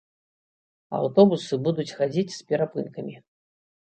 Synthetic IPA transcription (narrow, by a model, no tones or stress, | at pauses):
a̰wt̪ɔbusɨbud̪ut͡sʲxad͡zʲit͡sʲspʲɛɾapɨnkɐmʲi